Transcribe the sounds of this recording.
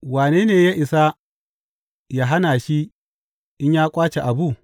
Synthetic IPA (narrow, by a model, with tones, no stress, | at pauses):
waː˨neː˦neː˨jaː˦ʔɪ˨sa˦ | ja˦ɦa˦naː˨ʃi˦ | ʔɪ˦ɲjaː˦kʷʼaː˦t͡ʃe˨ʔa˨bu˦˨